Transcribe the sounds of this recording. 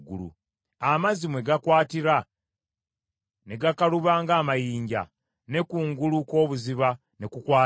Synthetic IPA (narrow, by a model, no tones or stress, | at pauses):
ɡulṵ | amazimwe̞ɡakwaːtiɾa | ne̞ɡakaluβaːŋɡaːmajiːɲɟa̰ | ne̞kuːŋɡuluko̞ːβuziβa | ne̞kukwaː